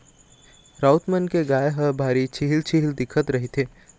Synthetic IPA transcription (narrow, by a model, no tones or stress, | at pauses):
ɾaːʊt̪mənkeɡaːjeɦəbʱaːɾit͡ʃʰiɦɪlt͡ʃʰiɦɪld̪ɪkʰət̪ɾɐɦit̪ʰeː